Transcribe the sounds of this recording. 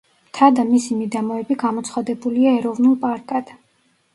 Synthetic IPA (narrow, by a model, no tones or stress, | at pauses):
t̪ʰad̪amisimid̪amɔɛbiɡamɔt̪sʰχwad̪ɛbuliaɛɾɔvnulˠpʼaɾkʼad̪̥